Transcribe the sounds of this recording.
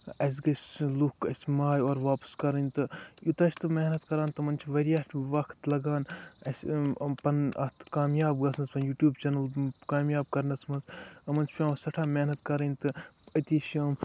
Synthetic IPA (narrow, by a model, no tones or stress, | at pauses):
ɐs̬ɡɐsʲlukɐsʲmaːjoːɾʋaːpskɐɾɐnʲt̪ɨjut̪ɐʃʰʲt̪ɨmeːɦnɐt̪kɐɾaːnt̪ɨɐmɐnt͡ʃʰiʋɐɾijaʈʰʋɐkʰt̪lɐɡaːnɐsʲpɐnɐ̰t̪kaːmjaːbɡɐsnɐspɐnjuːʈjuːbt͡ʃɐnɐlkaːmjaːb̚kɐɾnɐsmɐnsɐmɐnt͡ʃʰpʲãːmɐsɐʈʰaːmenɐt̪̚kɐɾɐnʲt̪ɨɐt̪iʃɐːm